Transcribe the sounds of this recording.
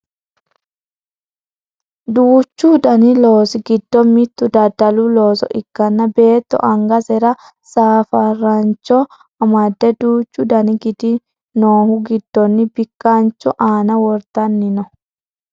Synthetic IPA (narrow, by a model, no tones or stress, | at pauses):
d̪uːt͡ʃːud̪ɐnɪlo̞ːsɪɡɪd̪ːɔmɪt̪ːʊd̪ɐd̪ɐlulo̞ːsɔ̰ʔɪkːɐnːɐbe̞ːt̪ːɔ̰ʔɐŋɡɐsɛɾɐ | saːfɐrːɐnt͡ʃːɔ | ɐmɐd̪ːɛd̪uːt͡ʃːʊd̪ɐnɪɡɪd̪ɪ | noːhʊɡɪd̪̥ːɔnːɪbɪkːant͡ʃːɔʔaːnɐwɔɾt̪ɐnːɪnɔ